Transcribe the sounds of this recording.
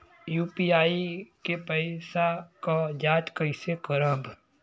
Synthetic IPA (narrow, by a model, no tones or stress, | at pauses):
juːpiːaːikepəɪsakad͡ʒaːt͡ʃkəɪsekəɾəb